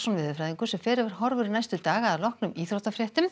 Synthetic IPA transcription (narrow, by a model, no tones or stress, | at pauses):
sɔnvɪːðʏfɾajðiŋkʏsɛmfɛːɾɪvɛɾ̥hɦɔɾvʏɾɪnajst̪ʏt̪aːɣaaðlɔhknʏmiːθɾowt̪afɾjɛht̪ʏm